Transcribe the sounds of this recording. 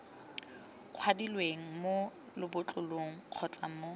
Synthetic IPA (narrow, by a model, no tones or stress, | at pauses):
q͡χʰwadilweŋ̩mo | lɪbʊt͡ɬʼʊloŋ̩q͡χʰɔt͡sʼa̰mo